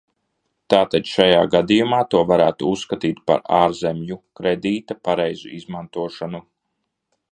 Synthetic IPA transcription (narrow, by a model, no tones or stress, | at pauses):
t̪aːt̪ad̪ʲʃajaːɡad̪ijumaːt̪uɔvaɾæːt̪uusːkat̪iːt̪pa̰ɾaːɾzemjukɾed̪iːt̪apaɾɛjzṵizmant̪uɔʃanu